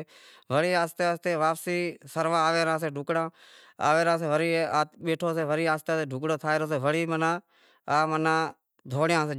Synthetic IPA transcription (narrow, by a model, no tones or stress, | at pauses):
ʋəɽiːaːst̪eaːst̪eːʋaːpsiːsəɾʋãːʋeːɾãːseːɖʱʊkɽãː | a̰ːʋeːɾãːseːʋəɾiːaːɓeːʈʰoːseːʋəɾiːaːst̪eːseːɖʱʊkɽõːt̪ʰaːeɾoːseːʋəɽiːmənãː | aːmənãː | d̪ʱoːɽjãːseː